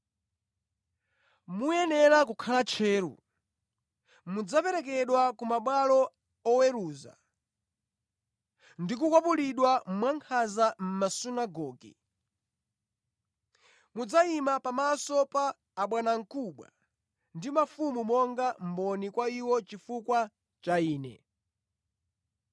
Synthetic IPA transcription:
mujɛnɛɾakukʰalat͡ʃʰɛːɾṵ | mud͡zapɛɾɛk̬ɛɗwakumaɓwalɔ | ɔwɛɾuːza̰ | ndik̬ukapuliɗwam̩mwaŋkʰazam̩masunaɡɔːɡḭ | mud͡zaimapamasɔpaː | ɓwanaŋ̩kuɓwa̰ | ndimafumumɔŋɡam̩bɔnikwaiwɔt͡ʃifukwa | t͡ʃaiːnɛ̰

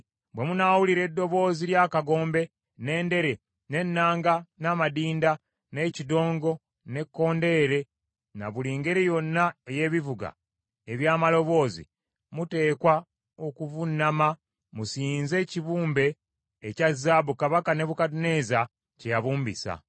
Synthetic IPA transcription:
bwe̞munawuliɾe̞dːo̞βo̞ːziljakaɡo̞ːmbe̞ | ne̞ːnde̞ɾe̞ | ne̞nːaːŋɡanamadiːnda | ne̞ːcido̞ːŋɡo̞ | ne̞kːo̞ːnde̞ːɾe̞ | na̰βuliːŋɡe̞ɾejo̞nːaeje̞ːβivuɡa̰ | eβjaːmalo̞βo̞ːzḭ | mute̞ːkwa | okuvunːama | musiːnze̞ːciβuːmbe̞ː | cazːaːbukaβakane̞βukatune̞ːza | cejaβuːmbḭsa̰

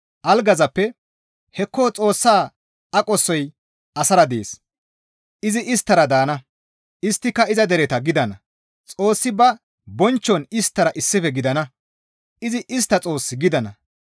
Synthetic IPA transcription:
ʔɐlɡɐzɐpːɛ | hɛkːot͡sʼo̞ːsːaː | ɐkʼɔsːɔj | ʔɐsɐɾɐd̪ḛːs | ʔɪzɪʔɪst̪ːɐɾɐd̪aːnɐ | ʔɪst̪ːɪkːɐɪzɐd̪ɛɾɛt̪ɐɡɪd̪ɐnɐ | t͡sʼo̞ːsːɪbɐ | bɔnt͡ʃːɔnɪst̪ːɐɾɐʔɪsːɪfɛɡɪd̪ɐnɐ | ʔɪzɪʔɪs̬t̪ːɐt͡sʼo̞ːsːɪɡɪd̪ɐnɐ̰

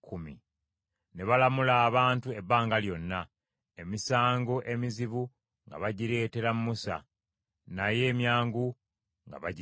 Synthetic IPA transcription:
kumḭ | ne̞βalamulaːβaːntue̞bːaːŋɡaljo̞nːa | emisaːŋɡoʔe̞miziβu | ŋɡa̰βaɟiɾe̞ːte̞ɾamumusa̰ | naje̞ːmjaːŋɡu | ŋɡa̰βaɟ

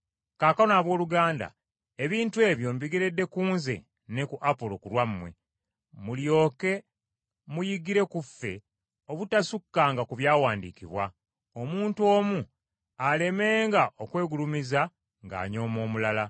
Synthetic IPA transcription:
kaːkanaβwo̞ːluɡaːnda̰ | e̞βiːntue̞ːβjo̞mβiɡiɾe̞dːe̞kuːnzḛ | ne̞kuʔapo̞lo̞kulwamːwe̞̰ | muljo̞ːke̞ | mujiɡiɾe̞kufːe̞̰ | o̞βutasukːaːŋɡakuβjaːwaːndikiβwa | omuːntuo̞ːmu | ale̞me̞ːŋɡaʔokwe̞ːɡulumiza | ŋɡa̰ːɲo̞ːmo̞ːmulala

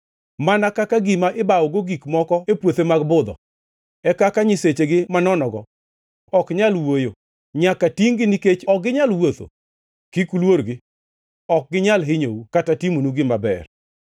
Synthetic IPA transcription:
manakakaɡimaʔɪbawɔɡoɡikmɔkɔepwot̪emaɡbʊd̪ɔ̰ | ɛkakaɲɪset͡ʃeɡɪmanɔnɔɡɔ | ɔkɲalwojo | ɲakatiŋɡɪniket͡ʃɔk̚ɡɪɲalwot̪o̰ | kɪkulwoɾɡɪ | ɔk̚ɡɪɲalɦɪɲowukatatimonuɡɪmabɛ̰r

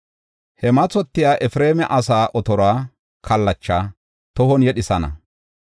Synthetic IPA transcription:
hɛmɐt͡sɔt̪ːɪjaːʔɛfɾeːmɛʔɐsaːʔɔt̪ɔɾaː | kʰɐlːɐt͡ʃːaː | t̪ɔhɔnjɛɗɪsɐnɐ̰

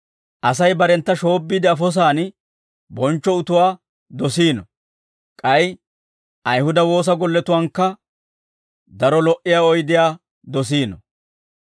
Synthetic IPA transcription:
ʔɐsɐjbɐɾɛnt̪ːɐʃo̞ːbːiːd̪ɪɐfɔs̬aːn | bɔnt͡ʃːɔʊt̪ʊwaː | d̪ɔsiːnɔ | kʼɐj | ʔɐjhʊd̪ɐwo̞ːs̬ɐɡɔlːɛt̪ʊwɐŋkːɐ | d̪ɐɾɔlɔʔɪjaːɔjd̪ɪjaː | d̪ɔs̬iːnɔ

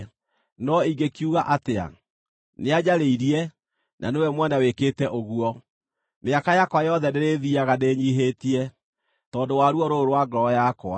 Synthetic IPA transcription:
nɔiɡekiuɣaʔatea̰ | nead͡ʑaɾeiɾiɛ | nʔa̰newɛmwɛnawekeːtɛʔoɣuɔ | meakajakwajɔðɛneɾeðiaɣaneɲiːɦetiɛ | tɔːndowaɾuɔɾoɾowaɡɾɔjakwa̰

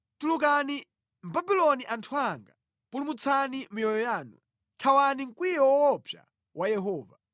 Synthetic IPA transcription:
tuluk̬ani | m̩babilɔniʔantʰuaŋɡa | pulumut͡sʰanimijɔjɔjaːnṵ | tʰawaniŋ̩kwijɔwɔpja̰ | wʔajɛɦɔːva

